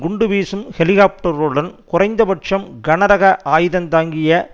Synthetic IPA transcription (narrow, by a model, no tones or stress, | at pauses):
ɡʊɳɖɯʋiːsɯmhɛlɪɣaːp̚ʈɐɾɯɽɐnkʊrɐɪnd̪ɐbɐʈʂɐmɡɐnɐɾɐɣɐʔaːjðɐnt̪aːŋɡɪjɐ